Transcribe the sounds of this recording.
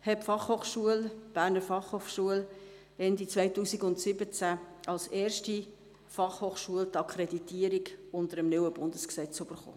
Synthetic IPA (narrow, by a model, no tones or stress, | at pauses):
hɛpfɑχhoːχʃuəlb̥æːɾnəɾfɑχhoːχʃuəl | ɛndit͡svaɪtuːsiɡʊntsɪbət͡sæʔɑlseːɾʃti | fɑχhoːχʃuəlt̪ɑkʰɾɛditiəɾiɡʊntəɾəmnywəbʊndəsksɛt͡sʏb̥əɾχo̰ː